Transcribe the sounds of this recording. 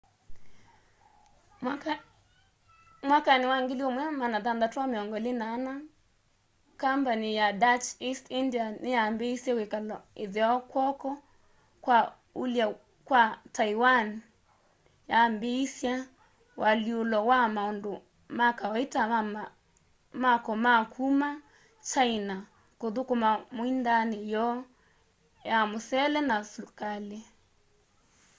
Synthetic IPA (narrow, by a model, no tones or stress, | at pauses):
mwakanɪwaŋɡeliɔmwɛmanaðanðatameɔŋɡɔlɪnana | kambanijadat͡ʃistindianɪjambeisawekalɔeðeɔkwɔkɔ | kwa | ulja | kwataiwan | jambeisja | wʔaliolɔwamaondo | makawaita | makɔmakʰuma | t͡ʃaina | koðokomamoindanejɔ | jamosɛlɛnasukale